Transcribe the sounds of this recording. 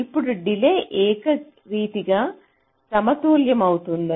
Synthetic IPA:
ipːuɽuɖileʔeːkɐ | ɾiːt̪iɡɐ | sɐmɐt̪uːljɐmaːʋut̪und̪ɐ

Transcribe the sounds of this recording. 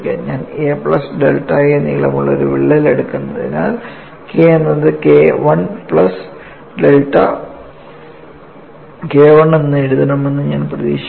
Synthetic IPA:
kːḛɲaːnepɭɐsɖe̞lʈːajenːḭɡiɭɐmːuɭːɐo̰ɾuʋiɭːɐileɽukːunːɐðḭna̰ːl | keːenːɐðɨkeʋɐɳpɭɐs | ɖelʈːɐ̰ | keːʋɐɳenːɨeɽuðɐɳɐmenːɨɲaːnprɐðḭːɕ

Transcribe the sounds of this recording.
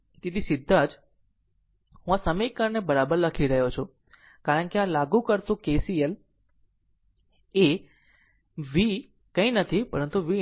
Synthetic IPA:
t̪it̪ʰisɪd̪ʱːad͡ʒ | ɦũasəmikəɾnebəɾabəɾləkʰiɾəɦjot͡ʃʰo | kaɾəɳkeãlaɡũkəɾt̪ũkesijəl | e | ʋi | kə̃ĩnət̪ʰipəɾənt̪uʋi

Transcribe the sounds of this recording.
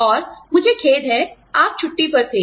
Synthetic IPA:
ɔːɾmʊd͡ʒʱekʰeːd̪ɦɛ | aːp̚t͡ʃʰʊʈːipɐɾt̪ʰeː

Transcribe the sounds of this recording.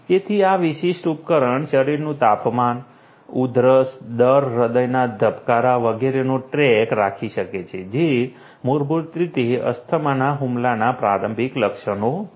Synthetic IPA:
et̪ʰiaʋiʃiʃʈupkəɾəɳʃəɾiɾnũt̪apman | ud̪ɾəsd̪əɾːəd̪əjnad̪ʱəpkaɾaʋəɡeɾenoʈɾɛkɾakʰiʃəket͡ʃʰed͡ʒe | moɾbʱuɾt̪ɾit̪eə̰st̪ʰəmanaɦumlanapɾaɾəmbʱikləkʃəno

